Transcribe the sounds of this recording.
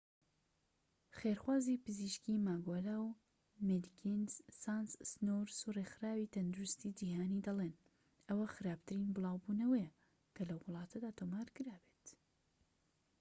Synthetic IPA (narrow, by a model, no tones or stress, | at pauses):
χeɾxwaːzipɨziːʃkimaːɡoːlaw | med̪kʰinzsanssnoɾsurexɨɾaːwiːt̪ʰɐnd̪uɾust̪id͡ʒiːhaːnid̪ɐleːn | ɐwɐxɨɾaːb̚t̪ɨɾinbɨlˠɑːwbunɐwɐjɐ | kʰɐlɐwːʊlˠɑːt̪ʰɐd̪aːt̪ʰomaːɾkɨɾaːbet̪